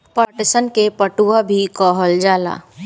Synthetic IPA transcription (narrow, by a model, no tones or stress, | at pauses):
pəʈsənkepəʈuabʱikɔːɦəld͡ʒaːla̰ː